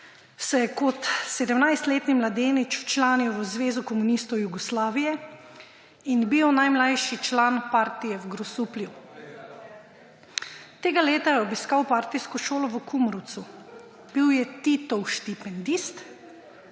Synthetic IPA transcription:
sɔjɛkɔt̪sɛd̪əmnajst̪leːt̪nimlad̪eːnit͡ʃt͡ʃlaːniwʋəzʋeːzukɔmunist̪ɔwjuɡɔslaːʋijɛ | inbiwnajmlajʃit͡ʃlaːnpaːɾt̪ijɛwɡɾɔsuːplju | t̪eːɡaleːt̪ajɛɔbiskaːwpaːɾt̪ijskɔʃoːlɔʋəkʰumɾɔwt̪su | b̥iwjɛt̪it̪ɔwʃt̪ipɛnd̪ist̪

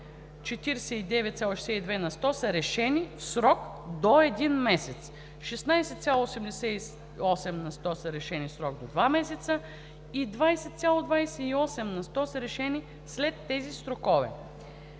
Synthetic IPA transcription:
t͡ʃɛt̪iɾsɛid̪ɛvɛt̪sʲjalˠoʃɛsɛid̪vɛnɐst̪ɔsəɾɛʃɛnifsɾɔkd̪oɛd̪inmɛsɛt̪s | ʃɛsnajsɛt̪sʲjalˠoosɛmd̪ɛsɛi | ɔsɛmnɐst̪ɔsɐɾɛʃɛnifsɾɔɡ̚d̪od̪vamɛsɛt̪sə | id̪vajsɛt̪sʲalˠod̪vajsɛiɔsɛmnɐst̪ɔsəɾɛʃɛni | slɛt̪ːɛzisɾokɔvɛ̰

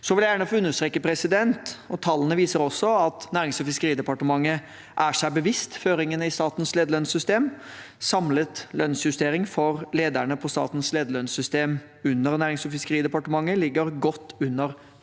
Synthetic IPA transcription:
sɔʋɪljjæːɳəfɔʉnːəʂt̪ɾeːkːəpʰɾɛsɪd̪ɛnt̪ɔt̪ʰɑlːənəʋiːsəɾɔsːɔɑt̪næːɾɪŋsɔfɪskəɾiːd̪ɛpɑʈəmɑŋːə | ʔæʂæɪbəʋɪst̪føːɾɪŋənəɪst̪ɑːt̪n̩sleːd̪əlɭœnsʏst̪eːm | sɑmlət̪lœnsjʉst̪eːɾɪŋfɔɾleːd̪æɳəpʰɔst̪ɑ̰ːt̪n̩sleːd̪əɭœnsʏst̪eːm | ʉnːəɾnæːɾɪŋsɔfɪskəɾiːd̪ɛpɑʈəmɑŋːəlɪɡːəɾɡɔt̪ːʉnːəɾ

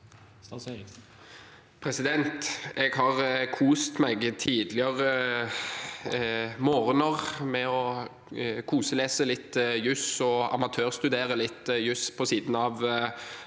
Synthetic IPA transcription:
pʰɾɛsɪd̪ɛnt̪ɛɡhɑʁkʰuːst̪mɛɡt̪ʰiːd̪lɪəʁə | moːɾnəʁmɛɔ | kʰuːsəleːsəlɪt̪ːjʉsɔɑ̰mɑt̪ʰøːʁst̪ʉd̪eːɾəlɪt̪ːjʉspʰɔsiːd̪n̩ɑʋ

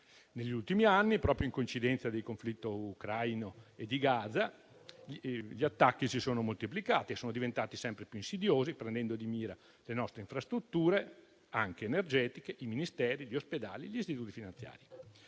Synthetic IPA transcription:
neʎːult̪imianːipɾɔːpɾjoiŋkoint͡ʃid̪ɛnt̪sad̪ejkoɱflit̪ːoukɾajnoed̪ːiɡaːd̪za | ʎiat̪ːakːisisoːnomolt̪iplikaːt̪iesoːnod̪ivent̪aːt̪isɛmpɾepjuinsid̪joːzipɾend̪ɛnd̪od̪imiːɾa | lenɔst̪ɾeiɱfɾast̪ɾut̪ːuːɾe | aŋk̟eːnerd͡ʒɛːt̪ikeʔiminist̪ɛːɾiʎosped̪a̰ːliʎist̪it̪uːt̪ifinant̪sja̰ːɾi

